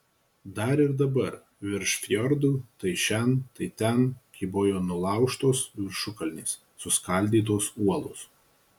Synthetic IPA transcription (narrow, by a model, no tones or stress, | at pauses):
d̪ɐɾɪɾd̪ɐbɐɾ | ʋʲɪɾʃfʲjɔɾd̪uːt̪ɐɪʃʲɛnt̪ɐɪt̪ʲɛnkʲɪbojoːnʊlˠɑˑʊʃt̪oːsʋʲɪɾʃʊkɐlʲnʲiːsːʊskɐlʲd̪ʲiːt̪̬oːsuɔlˠo̰s